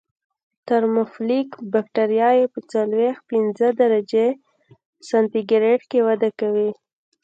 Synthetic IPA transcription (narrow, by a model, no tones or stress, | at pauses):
t̪aɾmʊflikbakʈaɾijɑjepət͡salwext̪̚pinzəd̪aɾad͡ʒe | sant̪iɡɾeʈkewad̪akawi